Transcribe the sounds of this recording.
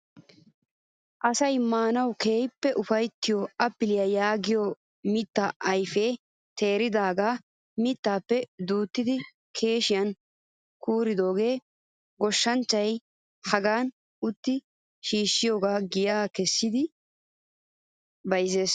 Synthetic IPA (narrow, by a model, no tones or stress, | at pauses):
ʔɐsɐjmaːnɐwke̞ːjpːɛʔʊfɐjt̪ːɪjoɐpːɪlɪjɐjaːɡɪjo | mɪt̪ːɐʔɐjfe̞ː | t̪ʰe̞ːɾɪd̪aːɡaː | mɪt̪ːaːpːɛd̪uːt̪ːɪd̪ɪ | kʰe̞ːʃɪjɐn | kuːɾɪd̪o̞ːɡe̞ː | ɡɔʃːɐnt͡ʃːɐj | hɐɡaːn | ʊt̪ːɪ | ʃiːʃːɪjo̞ːɡaːɡɪjaːkɛsːɪd̪ɪ | bɐjze̞ːs